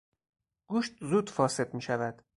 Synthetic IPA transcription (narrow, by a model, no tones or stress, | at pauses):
ɡ̥uːʃt̪zuːd̪fɒːse̞d̪miːʃævæd̪̥